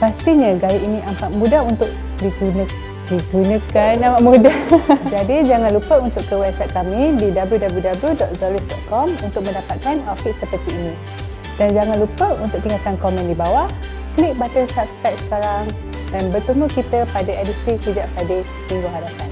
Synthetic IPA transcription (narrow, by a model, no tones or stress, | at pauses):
past̪iɲəɡajaʔinĩʔampaʔ̪̚mũdaɦunt̪ʊʔ̚ | dit̪unə | dit̪unəkanamaʔmudad͡ʒadid͡ʒaŋanlupəunt̪ʊʔkːəwɛbsajt̪̚kamididabljudabljudabəljudɔt̪̚zɔlisdɔt̪̚kɔmunt̪ʊk̚mə̃ndapat̪̚kanafiʔsəpərt̪iːnĩ | dand͡ʒaŋanlupəunt̪ʊk̚t̪iŋat̪ankɔmɛ̃ndibawaʔ | klik̚bat̪ənsapskajt̪̚sə̥kaɾaŋ | danbət̪əmukit̪əpadaɛdist̪ɾisəd͡ʒaʔsadi | t̪iŋɡuɦadapan